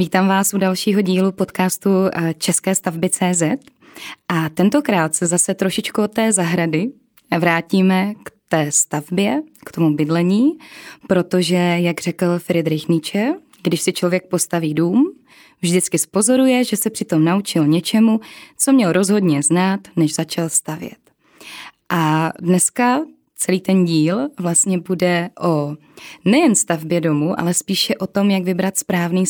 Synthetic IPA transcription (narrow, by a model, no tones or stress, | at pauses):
viːt̪aːmvaːsudalʃiːɦo̞ɟiːlupo̞t̪kaːst̪ut͡ʃɛskɛːst̪avbɪt͡sɛːzɛt̪ | ʔat̪ɛnt̪o̞kɾaːt̪sɛzasɛt̪ɾoʃɪt͡ʃkuot̪ːɛːzaɦɾadɪ | vɾaːciːmɛkt̪ɛːst̪avbjɛkt̪o̞mubɪdlɛɲiːpɾo̞t̪o̞ʒɛjaɡr̝̥ɛkl̩fɪɾɪd̪ɾɪxnɪt͡ʃɛ | ɡdɪʃsɪt͡ʃlo̞vjɛk̚po̞st̪aviːduːm | vʒdɪt͡skɪspo̞zo̞ɾujɛʒɛsɛpr̝̥ɪt̪o̞mnaut͡ʃɪlɲɛt͡ʃɛmut͡so̞mɲɛlɾo̞zɦo̞dɲɛznaːt̪nɛʒzat͡ʃalst̪avjɛ̰t̪ | ʔadnɛska | t͡sɛliːt̪ɛnɟiːlvlast̪ɲɛbudɛʔo̞ | nɛjɛnst̪avbjɛdo̞muʔa̰lɛspiːʃɛʔo̞t̪o̞mjaɡvɪbɾat̪spɾaːvniː